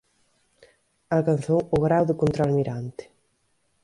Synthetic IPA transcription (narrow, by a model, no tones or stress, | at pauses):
alkanθowʊɣɾawðɪkont̪ɾalmiɾant̪ɪ̥